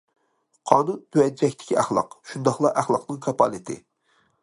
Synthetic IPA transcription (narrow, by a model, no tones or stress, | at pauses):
qʰɑːnunt̪ʰøɛd͡ʒɛkʲt̪ʰɪ̥kʲʰiæχlˠɑ̰qʃund̪ɑχlˠɑʔæχlˠɑqnɨŋkʰɑpʰɑlˠɨt̪ʰɪ̰